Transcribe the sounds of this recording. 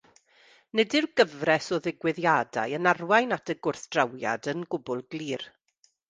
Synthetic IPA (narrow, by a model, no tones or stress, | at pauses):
nɛdɪrɡəvrɛsɔðɪɡwɪðjada̰jənarwajnatʰəɡʊrθd̥rawja̰dənɡʊbʊlˠɡlˠiːr